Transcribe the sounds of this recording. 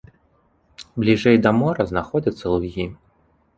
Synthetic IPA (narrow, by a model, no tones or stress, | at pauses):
blʲiʐɛjd̪ɐmɔɾɐznaxɔd͡zʲɐt̪sːɐlˠuɣʲi